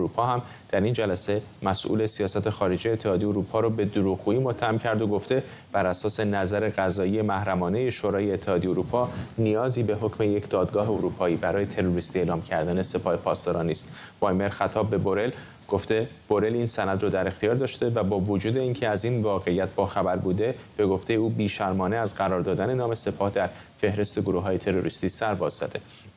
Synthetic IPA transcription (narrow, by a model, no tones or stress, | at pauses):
ɾuːpʰɒːɦæm | d̪̥æɾind͡ʒælæse̞ | mæsʔṵle̞sijɒːsæt̪ʰe̞xɒːɾe̞d͡ʒijet̪ʰːehɒːd̪ijoɾuːpʰɒːɾobe̞d̪oɾuːɣɡuːiːmo̞t̪ʰːæhæmcʰæɾd̪oɡo̞ft̪e̞ | b̥æɾæsɒːse̞næzæɾe̞ɣæzɒːijemæhɾæmɒːne̞jeʃoɾɒːjeːt̪ʰːehɒːd̪ijeoɾupʰɒːnijɒːziːbe̞ɦo̞cʰme̞jecʰd̪̥ɒːd̪ɡɒːɦe̞oɾupʰɒːiːbæɾɒːje̞t̪ʰe̞ɾoɾist̪ie̞ːlɒːmcʰæɾd̪æne̞se̞pʰɒːhe̞pʰɒːst̪ɒɾɒːniːst̪ | b̥ɒːjme̞ɾxæt̪ʰɒːbːe̞boɾe̞l | ɡ̥oft̪e̞b̥o̞ɾe̞linsænæd̪rɔːd̪æɾe̞xt̪ʰijɒːɾd̪ɒːʃt̪e̞væbɒːvod͡ʒuːd̪e̞iːncʰe̞æzinvɒːɣe̞ijæt̪̚ʰb̥ɒːxæbæɾbuːd̪e̞b̥e̞ɡo̞ft̪ʰe̞jeuːbiːʃæɾmɒːneæzɢæɾɒːɾd̪ɒːd̪æne̞nɒːme̞se̞pʰɒːhd̪æɾ | fe̞hɾe̞st̪e̞ɡoɾuːɦɒːje̞t̪ʰe̞ɾo̞ɾist̪iːsæɾbɒːzzæ̰d̪̥e̞